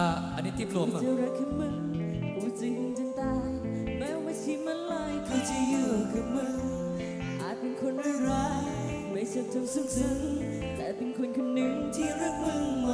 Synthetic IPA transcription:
a˧˩ʔa̰˨nːiː˦˥t̪i˧˥˩plu˨˧˩t͡ɕa˧ɾa˧˥kʰːnmɯ˧˩ŋ | kʰu˨˦t͡ɕi˨˧˦ŋ˧ŋt͡ɕɨ˧ŋt̪aː˧j | mɛː˨˦˥ma˧˩t̪ʰi˧˥ma˧˥nla˧˩jkʰa˧t͡ɕa˧˩jɯ˧˩kʰɯ˧˩nmɯ˧ | ʔaː˨˩t̪̚pe˧nkʰo˧nʔɯː˧ɾaː˨˧˦ | ma˥˩jsaː˧˥˩p̚t̪ʰa˧msu˧˥˩k̚sɯ˧˦ŋ | t̪ɛː˨˩pe˧˨nkʰo˧nkʰo˧nːɯ˧˥ŋt̪ʰi˧˩ɾa˧˩k̚mɯ˧ŋ˧

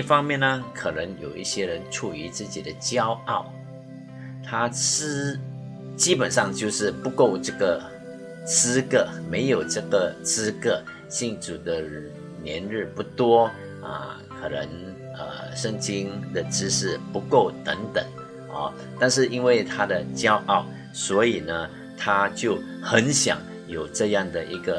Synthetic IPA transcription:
i˥˩fɑ˥ŋmjɛ˥˨nə˧kʰə˨˩nə˧˥ŋjo˨˩ʊʔi˥˩ɕjɛ˥ɻə˧˦nʈ͡ʂʰu˨˩y˧˥t͡sɹ̩˥˩t͡ɕḭ˨˩d̪ə˦t͡ɕjɑ˥ʊɑ˥˩ʊ | t̪ʰa˥t͡s̩˥ | t͡ɕi˥pə˨˩nʂɑ˥˧ŋt͡ɕjo˥˧ʊʂɻ̩˥˩pu˧˥ko˥˧ʊʈ͡ʂɤ˥˩ɡə˩ | t͡sɹ̩˥kə˥˩me˧˥ɪjo˨˩ʊʈ͡ʂɤ˥˩ɡə˩t͡sɹ̩˥kə˥˧ | ɕi˥˩ŋt͡su˨˩d̪ə˦ | njɛ̰˧˥nɻɻ̩˥˩pu˧˩t̪wɔ˥ | ə̰˧˩ | kʰɤ˨˩nə̰˧˦ŋ | ə̰˧ʂə˥˧ŋt͡ɕi˥ŋd̪ə˨ʈ͡ʂɻ̩˥ʂɻ̩˥˩pu˧˥ko˥˩ʊt̪ə˧˥ŋt̪ə˨˩˦ŋ | ɑ̰˥˧ | t̪a˥˧nʂ̬ɻ̩˥˩ʔi˥nwe˥˩ɪt̪ʰa˥d̪ə˨t͡ɕjɑ˥ʊʔɑ˥˩ʊ | swɔ˧˥i˨˩nə˦ | t̪ʰa˥t͡ɕjo˥˩ʊ | xə˧˦nɕjɑ̰˨˩˦ŋ | jo˨˩ʊʈ͡ʂɤ˥˧jɑ˥˩ŋd̪ə˩ʔi˧˥ɡə˨˩

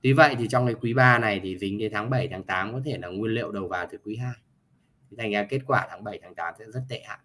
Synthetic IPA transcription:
t̪i˨˦və̰˧˨jt̪ʰi˨˩t͡ɕɔ˧wŋ͡mkaː˨˦jkwi˨˦ɓaː˧na˨˩jt̪ʰi˨˩zï˨˦ŋ̟kə˨˦t̪ʰaː˨˦ŋɓə˧˩jt̪ʰaː˨˦ŋt̪aː˨˦mkɔ˨˦t̪ʰe˧˩laː˨˩ŋwi˧ənlḭ˧˨əwɗə˨˩wvaː˨˩wt̪ʰɨ˨˩kwi˨˦ɦaː˧jʰ | i˨˩t̪ʰa˨˩jŋ̟zaː˨˧˦ke˦˥t̚kwaː˧˩t̪ʰaː˨˦ŋɓə˧˩jt̪ʰaː˨˦ŋt̪aː˨˦msɛ̰˧˥zə˦˥t̚t̪ɛ̰˧˨ha̰ː˧˨n

